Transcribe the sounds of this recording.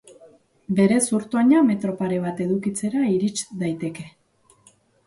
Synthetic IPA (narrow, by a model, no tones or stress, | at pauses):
be̞ɾe̞suɾt̪oɲame̞t̪ɾo̞paɾe̞β̞at̪e̞ðukit͡se̞ɾaiɾit͡ʃd̪ajt̪e̞ke̞